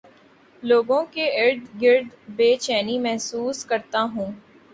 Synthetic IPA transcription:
loːɡõkeɪɾd̪ɡɪɾd̪beːt͡ʃɛːnimɛɦsuːskɐɾt̪aɦũː

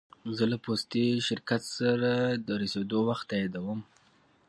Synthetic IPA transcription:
zəlapost̪iʃɪɾkat̪saɾad̪əɾased̪owaxt̪ːajad̪awəm

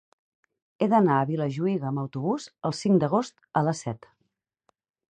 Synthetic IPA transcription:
eðənaəβiləʒuiɣəːməwt̪uβuzəlˠsiŋd̪əɣ̞ost̪ələsɛt̪

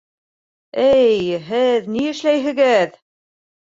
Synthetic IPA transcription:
ɘjɦɘðniɘ̆ʃlæjɦɘ̆ɡɘð

